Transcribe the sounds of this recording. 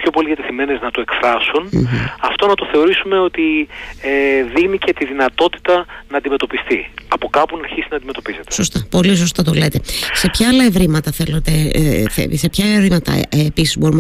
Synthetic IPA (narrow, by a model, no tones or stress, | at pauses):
pço̞po̞liðjɐt̪eθime̞neznɐt̪ue̞kfɾɐsunɐft̪o̞nɐt̪o̞θe̞o̞ɾisume̞o̞t̪ieðiɣnice̞t̪iðinɐt̪o̞t̪i̥t̪ɐnɐːnd̪ime̞t̪o̞pist̪iɐpo̞kɐpunɐɾçist̪enɐnd̪ime̞t̪o̞piset̪eso̞st̪ɐpo̞lis̬o̞st̪ɐt̪o̞le̞t̪e̞se̞pçɐɐlɐevɾimɐt̪ɐθe̞lot̪eθḛsepçɐvɾimɐt̪ɐ̰episizbo̞ɾum